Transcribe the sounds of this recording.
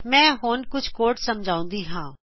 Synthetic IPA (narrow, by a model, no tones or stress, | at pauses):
mɛ̃ːɦoːnkʊt͡ʃʰkoːɾʈsɐmd͡ʒʱaːũːn̆d̪iɦãː